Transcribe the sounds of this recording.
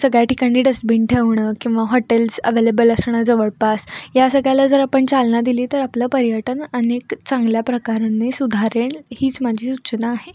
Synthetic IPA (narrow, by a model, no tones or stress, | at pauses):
səɡɭjaʈikaɽ̃iːɖəsbiɳʈʰeʋɳəkĩw̃ʋaɦɔʈelsə̰ʋelebələsɳ̃ad͡zəʋəɭpasjasəɡɭjalad͡zəɾapəɳt͡salnad̪iliːt̪əɾapləːpəɾjəʈənənekt͡saŋɡljapɾəkaɾanːesud̪ʱaɾeɳhiːt͡smad͡ʑʱiːsuɕnaːɦe